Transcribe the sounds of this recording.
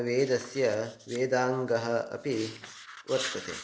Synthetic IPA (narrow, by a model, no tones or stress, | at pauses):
ʋeːd̪ɐsjɐʋeːd̪aːŋɡɐɦɐɐ̰pi | ʋɐt̪ːɐt̪ḛ